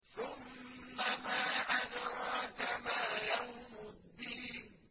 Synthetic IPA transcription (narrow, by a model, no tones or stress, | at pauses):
θʊmːamaːʔanɾɑt̪amaːjawmʊd̪ːiːn